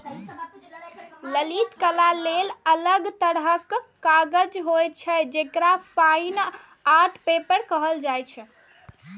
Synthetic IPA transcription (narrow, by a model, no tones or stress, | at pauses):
ləlit̪kəlalelələɡt̪əɽɦəkː | aɡəd͡ʒɦojt͡ʃʰɛd͡ʒekɾapʰajn | aʈʰpepəɾkəɦəld͡ʒajt͡ʃʰɛ